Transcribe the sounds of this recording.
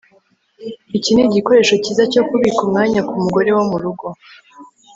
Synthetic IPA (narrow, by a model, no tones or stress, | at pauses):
icineɟiko̞ɾe̞ːʃo̞cizaco̞kuβikumŋaːɲakumuɡo̞ɾe̞womuɾuɡo̞